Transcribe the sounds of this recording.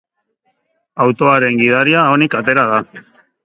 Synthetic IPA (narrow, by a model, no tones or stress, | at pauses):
awt̪o̞aɾe̞ŋɡið̞aɾiaonikat̪e̞ɾað̞a